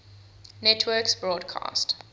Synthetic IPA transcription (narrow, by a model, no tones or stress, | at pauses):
nɛtʰwɜːksbɹɔːdkʰɑ̰ːst